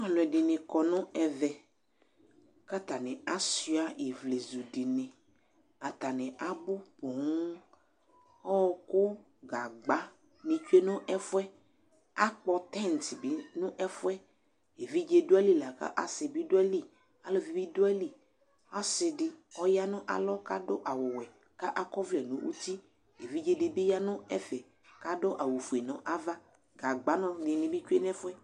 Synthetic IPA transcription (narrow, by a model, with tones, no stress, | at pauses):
ã˨lʊ˨ɛ˨ɖɪ˨nɪ̃˨kɔ˨nʊ̃˦ɛ˨vɛ˨ | ka˦t̪a˨nɪ̃˨a˦si˦a˦e˨vle˨zu˨ɖi˨nɪ̃˨ | a˨t̪a˨nɪ̃˨ʔa˦bʊ˦po˨ŋ˦ | ɔ˦wɔ˨kʊ˦ | ɡa˨ɡ͡ba˦ | nĩ˨t͡ʃu˦e˦nʊ̃˦ʔɛ˦fʊ˦ɛ˦ | a˦k͡pɔ˨t̪ɛ˦˨n˨t̪ɪ˨bi˨˦nʊ̃˦ʔɛ˦fʊ˦ɛ˦ | e˨vi˦d͡ʒe˦dʊ˦ɛ˦li˦la˨ka̰˦ʔa˨sɪ˨bi˦do˦ɛ˦li˦ | a˨lɔ˦vi˨bi˦dʊ˦ɛ˦li˦ | a˦sɪ˨dɪ˨ɔ˦ja˦nɔ̃˦ʔa̰˨lɔ˦ka˦dɔ˦ʔa˨wʊ˨wɛ˨ | ka˦ʔa˦kɔ˦vɛ˨nũ˨˦ʔṵ˦t̪i˦ | e˨vi˦d͡ʒe˨dɪ˨bɪ˦ja˦nʊ̃˦ɛ˦fɛ˨ | ka˦dɔ˦ʔa˨wu˨fu˨e˨nɔ̃˨ʔa˦va˦ | ɡa˨ɡ͡ba˨˦nɔ̃˦dɪ˨nĩ˨bi˦t͡ʃe˦n˦ɛ˦fʊ˦ɛ˦